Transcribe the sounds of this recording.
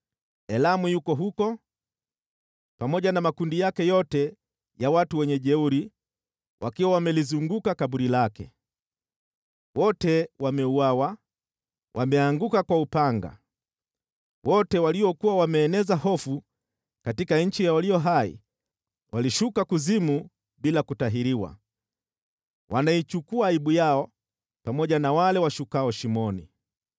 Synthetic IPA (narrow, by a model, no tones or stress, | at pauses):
ɛlamujukɔɦukɔ | pamɔʄanamakundijakɛjɔtɛ | jawatuwɛɲɛʄɛuɾi | wʔa̰kiwawamɛlizuŋɡukakaɓuɾilakɛ̰ | wɔtɛwamɛuwawa | wʔamɛaŋɡukakwaupaŋɡa̰ | wʔɔtɛwaliɔkuwawamɛːnɛzahɔfu | katikaɲ̩t͡ʃijawalijɔɦaḭ | wʔaliʃukakuzimu | ɓilakutaɦiɾiwa̰ | wʔanait͡ʃukuaːiɓujaɔ | pamɔʄanawalɛwaʃukaɔʃimɔnḭ